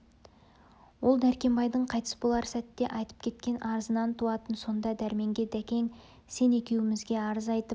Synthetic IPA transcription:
wo̞lˠd̪æɾkʲe̞mbɑjd̪əɴqʰɑjt̪ə̥sbolˠɑɾsæt̪ːe̞ʔɑjt̪ə̥p̚kʲʰe̞t̪̚kʲe̞nʔɑɾəzənɑnt̪ʰuɑt̪ənso̞nd̪ɑd̪æɾme̞ŋɡʲe̞d̪ækʲe̞ŋ | se̞ne̞kʲe̞wɪmɪzɡʲe̞ɑɾəzɑjt̪əp

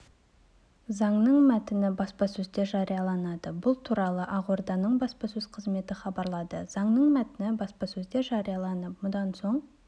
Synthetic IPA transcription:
zɑɴnəɴmæt̪ɪnɪbɑspɑsɵzd̪e̞ʒɑɾijɑlˠɑnɑd̪əbʊlˠt̪ʰuɾɑlˠəʔɑʁwoɾd̪ɑnəɴbɑspɑsɵz̥qʰəzme̞t̪ɪχɑbɑɾlˠɑd̪əz̥ɑɴnəɴmæt̪ɪnɪbɑspɑsɵzd̪e̞ʒɑɾijɑlˠɑnəp̚mʊd̪ɑnso̞ɴ

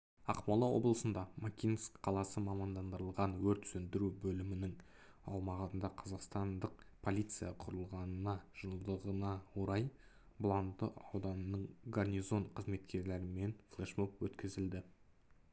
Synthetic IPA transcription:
ɑqmɑlˠɑwo̞̰blˠəsənd̪ɑmakʲinskqʰɑlˠɑsəmɑmɑnd̪ɑnd̪əɾəlˠʁɑnwɵɾt̪sɵnd̪ɪɾubɵlɪmɪnɪŋɑ̰wmɑʁənd̪ɑqʰɑzɑqst̪ɑnd̪əq̚pʰolʲijt̪sɨjɑqʰʊɾəlˠʁɑnənɑʒ̥əlˠd̪əʁənɑwoɾɑj | blˠɑnt̪ːəʔɑ̰wd̪ɑnənəɴɡarnʲijzo̞nqʰəzme̞t̪kʲe̞ɾle̞ɾɪme̞nflˠeʃmopwɵt̪kʲɪzɪld̪ɪ

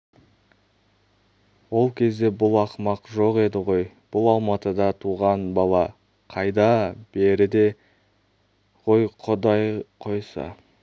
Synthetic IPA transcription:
wo̞lˠkʲʰe̞zd̪e̞bʊlˠɑqmɑqʒo̞qe̞d̪ɪʁo̞j | b̥ʊlˠɑlˠmɑt̪əd̪ɑt̪ʰuʁɑnbɑlˠɑ | qʰɑjd̪ɑb̥e̞ɾɪd̪e̞ | ʁo̞jqʰod̪ɑjqʰo̞jsɑ̰

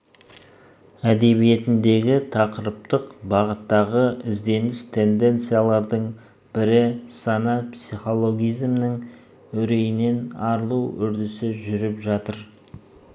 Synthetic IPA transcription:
æd̪e̞βije̞t̪ɪnd̪e̞ɡʲɪt̪ʰɑqəɾəp̚t̪əqbɑʁət̪ːɑʁəʔɪzd̪e̞nɪst̪ʰe̞nd̪e̞nt̪sɨjalˠɑɾd̪əɴ | b̥ɪɾɪsɑnɑpsijχo̞lˠo̞ɡʲijzmnɪŋ | ɵɾe̞jɪne̞nɑɾlˠuwʏ̰ɾd̪ɪsɪʒʏɾɪpʒɑt̪əɾ

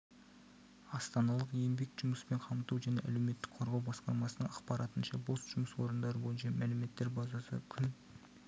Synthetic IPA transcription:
ɑst̪ɑnɑlˠəqje̞mbe̞kʒ̥ʊməspe̞ɴqʰɑmt̪uwʒæne̞ʔæ̰le̞wme̞t̪ːɪ̥kqʰo̞ɾʁɑwbɑsqɑɾmɑsənəɴɑqpɑɾɑt̪ənʃɑbosʒ̥ʊməswo̞ɾənd̪ɑɾəbo̞jənʃɑmælɪme̞t̪ːe̞ɾbɑzɑsə̰kʲʰʏn

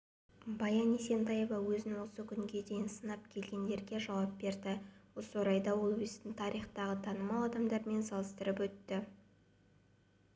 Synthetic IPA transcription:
bɑjɑnise̞nt̪ɑjevɑwɵzɪnwo̞səkʲʰʏŋɡʲe̞d̪e̞jɪnsənɑp̚kʲʰe̞lɡʲe̞nd̪e̞ɾɡʲe̞ʒɑwɑp̚be̞ɾd̪ɪwoswoɾɑjd̪ɑwo̞lˠwzt̪ɪnt̪ʰɑɾijχt̪ɑʁət̪ʰɑnəmɑlˠɑd̪ɑmd̪ɑɾme̞nsɑlˠəst̪əɾəpwɵt̪ːɪ

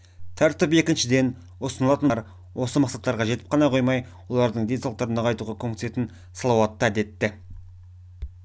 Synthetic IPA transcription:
t̪ʰæɾt̪ɪpe̞kʲɪnʃɪd̪e̞n | wosənəlˠɑt̪ənɾ | wʔo̞səmɑqsɑt̪ːɑɾʁɑʒe̞t̪ɪ̥p̚qʰɑnɑqʰo̞jmɑj | wo̞lˠɑɾd̪əɴd̪e̞nsɑlˠqt̪ɑɾənɑʁʰɑjt̪uʁɑkʲʰɵmkt̪se̞t̪ɪn | sɑlˠɑwɑt̪ːəæd̪e̞t̪ːɪ

